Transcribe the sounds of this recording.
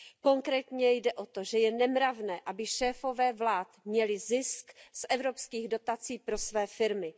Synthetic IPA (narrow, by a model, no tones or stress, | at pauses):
ko̞ŋkɾɛːt̪ɲɛjdɛʔo̞t̪oʒɛjɛnɛmɾavnɛːʔabɪʃɛːfo̞vɛːvlaːt̪mɲɛlɪzɪsksʔɛvɾo̞pskiːɣdo̞t̪at͡siːpɾo̞svɛːfɪɾmɪ